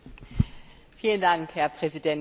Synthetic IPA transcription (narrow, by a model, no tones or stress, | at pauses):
fiːləndaŋkhɛɐpʁ̥ɛzidɛn